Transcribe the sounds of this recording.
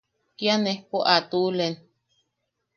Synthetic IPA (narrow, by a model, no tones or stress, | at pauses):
kjanepoʔat̪ulen